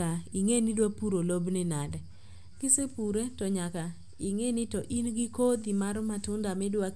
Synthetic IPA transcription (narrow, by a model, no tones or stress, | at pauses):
aiŋenidwapuɾolobnɪnalɛ | ɡ̥ɪsepuɾetɔɲaka | iŋenɪtɔʔinɡɪkod̪imaɾmatʊndamɛdwa